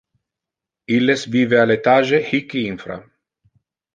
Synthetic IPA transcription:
ilːesbivealet̪aːʒehikːiinfɾa̰

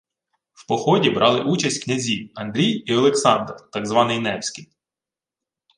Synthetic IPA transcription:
w̥pɔxɔdʲibɾʔɑlˠɪʔut͡ʃɐsʲtʲknʲɐzʲiɐnd̪ɾʲijiɐlˠeksɑnd̪rt̪ɑɡzʋɑnɪjnɛwsʲkij

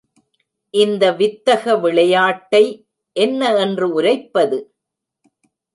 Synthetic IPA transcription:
ʔɪnd̪ɐʋɪt̪ːɐɣɐʋɪɭɐjaːʈːɐɪ | ʔɛnːɐɛndrɯʊɾɐɪpːɐðɯ

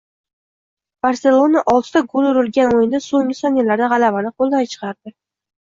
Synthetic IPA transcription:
b̥aɾse̞lˠo̞naʔɒlˠt̪t̪aɡolˠʊɾɪlɡʲanojɪnd̪asoŋɡʲɪsɒnjalaɾd̪aʁɑlavanɪqʰolˠd̪ajt͡ʃʰə̥qʰɑɾd̪ɪ

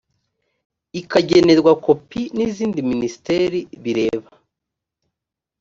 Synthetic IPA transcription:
ikaɟe̞ne̞ɾɡwakʰo̞piniziːndiminisi̥teɾiβiɾe̞ːβa

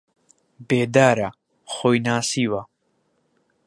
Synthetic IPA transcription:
beːd̪aːɾɐ | χoːjnaːsiːwɐ

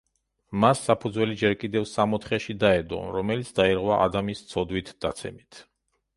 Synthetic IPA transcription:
masːapʰud̪zwɛlid͡ʒɛɾkʼid̪ɛvsamɔt̪χɛʃid̪aɛd̪ɔ̰ɾɔmɛlit̪sʰd̪aiɾʁwaʔa̰d̪amist̪sʰɔd̪wit̪ʰd̪̥at̪sʰɛ̰mit̪ʰ

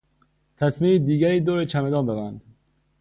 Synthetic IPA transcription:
t̪ʰæsmiiːd̪iːɡæɾiːd̪oːɾet͡ʃʰæmed̪ɒːnbevænd̪

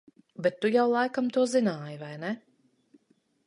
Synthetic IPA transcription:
bɛt̪ːujawlˠajkamt̪uɔzinaːjivajnɛ

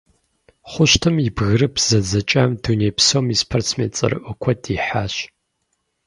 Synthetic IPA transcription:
χʷʊʃtʰɨmibɣɨrɨpʰz̥ɐd͡zɐt͡ʃʼaːmduneːpsoːmispʰɐrt͡sʰmḛːt͡sʼɐ̰rɨ̰ʔʷʊkʷʰɔdiːħaːɕ

